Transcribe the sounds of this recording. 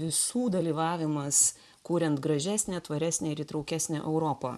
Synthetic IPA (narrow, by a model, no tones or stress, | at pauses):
ʋʲɪsuːd̪ɐlʲiːʋɑːʋʲɪmɐs | kuːɾʲɛnt̪ɡɾɐʒʲæːsʲnʲæːt̪ʋɐɾʲæsʲnʲeːɪɾiːt̪ɾɒʊkʲæsʲnʲæʔɛʊɾoːpɐ